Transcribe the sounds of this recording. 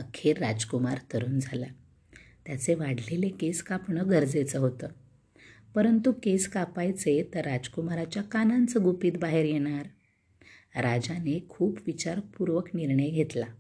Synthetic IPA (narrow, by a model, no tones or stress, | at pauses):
əkʰeɾːad͡zkumaɾt̪əɾuːnd͡zʱala | t̪jat͡seʋaɽ̤lelekeskapɳəɡʱəɾd͡zet͡səɦot̪əː | pəɾənt̪ukeskapajt͡set̪əɾːad͡ʑkumaɾat͡ɕjakanãnt͡səɡupiːt̪baɦeɾjeɽ̃aɾ | ɾad͡ʑanekʰuːpʋit͡ɕaɾpuɾʋəkniɾɳəjɡʱet̪la